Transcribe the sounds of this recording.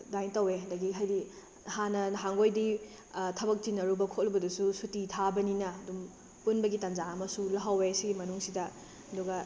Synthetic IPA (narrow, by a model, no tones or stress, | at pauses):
dajntɐweɐdɐɡiɦajdi | hanɐɦaŋɡojdi | tʰɐbɐk̚tinɐɾubɐkʰot̚lɐbɐdususutitʰabɐninɐːdum | punbɐɡitanzaɐmɐsulɐɦɐwesiɡimɐnuŋsidɐ | ɐduɡɐ